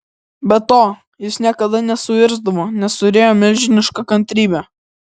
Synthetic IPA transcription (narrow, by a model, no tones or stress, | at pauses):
bʲɛt̪oː | jɪsnʲiɛkɐd̪ɐnʲɛsʊʋʲɪɾzd̪ɐʋoːnʲɛst̪ʊɾʲeːjoːmʲɛlʲʒʲɪnʲɪʃkɐkɐnʲt̪ʲɾʲiːbʲɛ